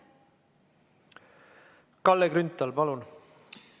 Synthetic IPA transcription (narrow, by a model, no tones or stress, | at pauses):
kɑlːekɾynt̪ːˑɑlpɑlun